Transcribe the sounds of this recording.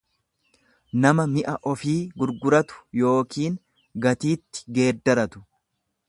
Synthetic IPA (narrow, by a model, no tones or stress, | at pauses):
nɐmɐmɪʔɐʔɔfiːɡʊɾɡʊɾɐt̪ʊ̥jo̞ːkiːŋ | ɡɐt̪iːt̪ːɪ̥ɡe̞ːd̪ːɐɾɐt̪ʊ̥